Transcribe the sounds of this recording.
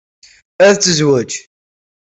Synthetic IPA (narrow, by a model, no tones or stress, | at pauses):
æðt͡sːəzwæd͡ʒ